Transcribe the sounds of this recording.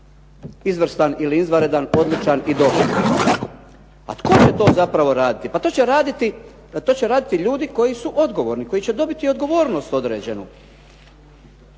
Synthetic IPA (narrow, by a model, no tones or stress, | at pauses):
izʋr̩st̪aniliizʋaɾed̪ano̞d̪lit͡ʃanid̪o̞bɾo̰a | a̰t̪ko̞t͡ɕet̪o̞ːzapɾaʋo̞ɾaːd̪it̪ipat̪o̞ːt͡ɕeɾaːd̪it̪i | t̪o̞ːt͡ɕeɾaːd̪it̪iʎuːd̪iko̞jisuʔo̞d̪ɡo̞ʋo̞ːɾniko̞jit͡ɕe̞d̪o̞bit̪iod̪ɡo̞ʋo̞ːɾno̞st̪o̞d̪ɾḛːd͡ʑenu